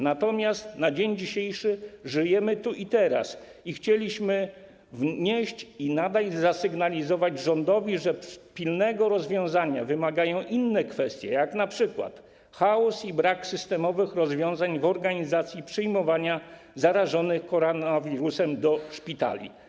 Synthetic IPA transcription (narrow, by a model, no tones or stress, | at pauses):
nat̪ɔmʲjast̪nad͡ʑeɲd͡ʑiɕejʂɘʐɘjɛmɘt̪uʔit̪ɛɾa̰s | ixt͡ɕelʲiɕmɘ | vɲeɕt͡ɕinad̪ajzasɘɡnalʲizɔvad͡ʑʐɔnd̪ɔvʲiʐɛpʲilnɛɡɔɾɔzvʲjɔ̃w̃zaɲavɘmaɡajɔ̃w̃ʔinːɛkfɛst̪ʲjɛjaknapʂɘkwa̰t̪ | xaɔsibɾaksɘst̪ɛmɔvɘxɾɔzvʲjɔ̃w̃zaɲvɔɾɡaɲizat̪sʲjipʂɘjmɔvaɲa | zaɾaʐɔnɘxkɔɾɔnavʲiɾusɛmd̪ɔʂpʲit̪a̰lʲḭ